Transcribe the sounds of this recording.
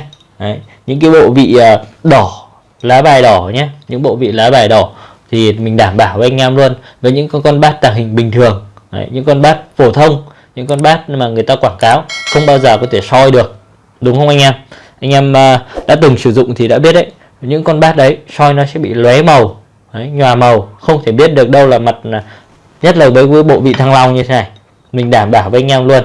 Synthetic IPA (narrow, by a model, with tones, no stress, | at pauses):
ə˨˩˦j | ɲɨ̰˧˥ŋkaː˨˦jɓo̰˧˨vḭ˧˨əː˨˩ɗɔ˧˩ | laː˨˦ɓaː˨˩jɗɔ˧˩ɲaː˧ɲɨ̰˧˥ŋɓo̰˧˨vḭ˧˨laː˨˦ɓaː˨˩jɗɔ˧˩ | t̪ʰi˨˩mï˨˩ŋ̟ɗaː˧˩mɓaː˧˩wvə˨˦ʔa˧jŋ̟ʔaː˧mlu˧ən | vəː˨˦jɲɨ̰˧˥ŋ˨˧kɔ˧nɓaː˦˥t̚t̪aː˨˩ŋɦï˨˩ŋ̟ɓï˨˩ŋ̟t̪ʰɨ˨˩əŋ | ə̰˨˩ɲɨ̰˧˥ŋkɔ˧nɓaː˦˥t̚fo˧˩t̪ʰə˧wŋ͡m | ɲɨ̰˧˥ŋkɔ˧nɓaː˦˥t̚maː˨˩ŋɨ˨˩əjt̪aː˧kwaː˧˩ŋkaː˨˦wxə˧wŋ͡mɓaː˧wzəː˨˩kɔ˨˦t̪ʰe˧˩sɔ˧jɗɨ˨˩ək̚ | ɗʊ˨˦ŋ͡mxə˧wʔa˧jŋ̟ʔaː˧m | ʔa˧jŋ̟ʔa˧mː˨˩ɗa̰ː˧˥t̪ɨ˨˩ŋsɨ˧˩zʊ̰˧˨ŋ͡mt̪ʰi˨˩ɗa̰ː˧˥ɓi˦˥ət̚ʔə̰˧˦j | ɲɨ̰˧˥ŋkɔ˧nɓaː˦˥t̚ʔɗə˨˦jsɔ˧jnɔ˨˦sɛ̰˧˥ɓḭ˧˨lwɛ˨˦mə˨˩w | ʔə˨˦jɲwaː˨˩mə˨˩wxə˧wŋ͡mt̪ʰe˧˩ɓi˦˥ət̚ɗɨ˨˩ək̚ɗə˧wlaː˨˩ma˨˩t̚ː | ɲə˦˥t̚ləː˨˩vəː˨˦jkwə˨˦jɓo̰˧˨vḭ˧˨t̪ʰaː˧ŋla˧wŋ͡mɲɨ˧t̪ʰe˨˦na˨˩j | mï˨˩ŋ̟ɗaː˧˩mɓaː˧˩wvəː˨˦ʔa˧jŋ̟aː˧mlu˧ən